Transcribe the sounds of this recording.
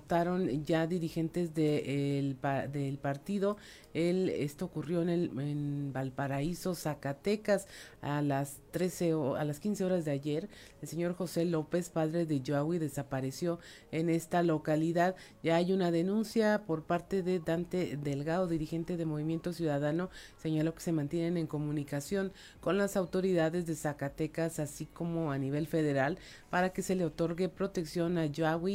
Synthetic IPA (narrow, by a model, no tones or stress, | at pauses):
opt̪aɾo̞nɟ͡ʝaðiɾixe̞nt̪e̞zðelpaðelpaɾt̪iðo̞ | e̞lḛst̪oːkurjo̞ene̞lenbalpaɾaiso̞sakat̪e̞kasalast̪ɾe̞sealaskinse̞o̞ɾazðeaʝe̞ɾ | else̞ɲo̞ɾxo̞se̞lo̞pe̞spaðɾe̞ðe̞ʝoaɣwiðe̞sapaɾe̞sjo̞ | e̞ne̞st̪alo̞kaliðað | ɟ͡ʝaːjunaðe̞nũnsjapo̞ɾpaɾt̪e̞ðe̞d̪ant̪eðe̞lɣaðoðiɾixe̞nt̪e̞ðe̞mo̞β̞imje̞nt̪o̞sjuðaðano̞se̞ɲalo̞ke̞̥se̞mãnt̪je̞ne̞ne̞ŋko̞mũnikasjo̞ŋ | ko̞nlasawt̪o̞ɾiðaðe̞zðe̞sakat̪e̞kasasiko̞mo̞aniβ̞e̞lfe̞ðe̞ɾal | paɾake̞se̞le̞o̞t̪o̞ɾɣe̞pɾo̞t̪e̞ksjo̞naʝaɣwi